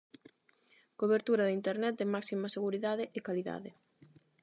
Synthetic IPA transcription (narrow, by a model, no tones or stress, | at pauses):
koβeɾt̪uɾɐðɪint̪eɾnɛt̪̚d̪ɪmaksimɐseɣuɾiðaðɪʔɪkaliða̰ðɪ